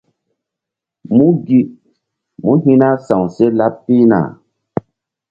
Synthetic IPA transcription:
mu˦ɡi˨ʔ | mu˦ɦi˦na˦sã˨wse˦la˦pːi˦na̰˨

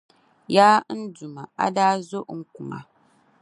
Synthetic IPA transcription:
jaː˦n̩˦du˨ma˨a̰˦daː˦zo˦ʔŋ̩˦ku˨ma̰˨

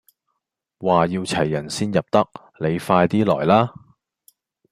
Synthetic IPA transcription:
waː˨jiː˧wt͡sʰɐ˨˩jːɐ˨˩nsiː˥njɐ˨p̚t̪ɐ˥k̚ | le˨˧jfaː˧jt̪iː˥lɔː˨˩jlaː˥

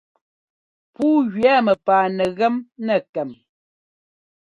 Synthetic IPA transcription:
puː˦ɣɥɛ˦mə˨paː˨nɛ˨ɣɛ˦mnɛ˦˨kɛ˨m

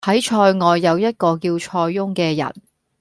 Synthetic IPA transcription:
ɐ˨˥jt͡ʃʰɔː˧jŋɔː˨˧jːɐ˨˧wjɐ˥t̚kɔː˧kiː˧wt͡ʃʰɔː˧jːʊ˥ŋkɛː˧jɐ̰˨˩n

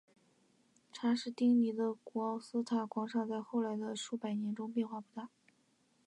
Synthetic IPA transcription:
ʈ͡ʂʰa˧˥ʂɻ̩˥˧t̪i˥ŋni˧˥d̪ə˧ku˧˩ɑ˥˩ʊsɹ̩˥t̪ʰa˨˩kwɑ˧˥ŋʂɑ˥˧t͡sa˥˧ɪxo˥˩ʊla˧˥ɪd̪ə˧ʂu˥˩pa˨˩ɪnjɛ˧˥nʈ͡ʂʊ˥ŋp̬jɛ˥˧nxwa˥˧˩pu˥˩t̪a˥˩

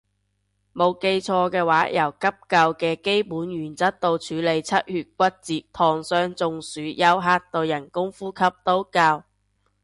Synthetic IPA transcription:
mo˨˧wke˧jt͡ʃʰɔː˧kɛː˧waː˨˥jɐ˨˩wkɐ˥p̚kɐ˧wkɛː˧ke˥jpuː˨˥njyː˨˩nt͡sɐ˥t̚t̪o˧wt͡ʃʰyː˨˧le˨˧jt͡sʰɐ˥t̚hyː˨˧t̚k̚ʷɐ˥t̚t͡siː˨˧t̪ʰɔː˨˩ŋsœː˧ŋt͡sʊ˨˧ŋsyː˨˥jɐ˥wɦaː˧˥t̚t̪o˧wjɐ˨˩nkʊ˥ŋfuː˥kʰɐ˥p̚t̪o˥wkaː˧w

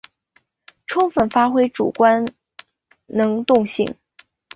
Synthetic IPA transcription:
ʈ͡ʂʰʊ˥ŋfə˨˩nfa˥xwe˥ɪʈ͡ʂṵ˨˩kwa˥n | nɤ˧˥ŋt̪ʊ˥˧ŋɕḭ˥˩ŋ

